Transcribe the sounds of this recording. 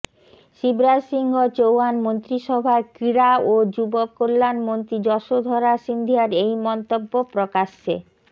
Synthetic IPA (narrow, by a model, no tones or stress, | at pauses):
ʃibɾad͡ʑʃiŋɡʱot͡ɕowanmont̪ɾiʃɔbʱakɾiɾaod͡ʑubokolːanmont̪ɾid͡ʑɔʃod̪ʱɔɾaʃind̪ʱiaɾejmɔnt̪obːopɾokaʃːḛ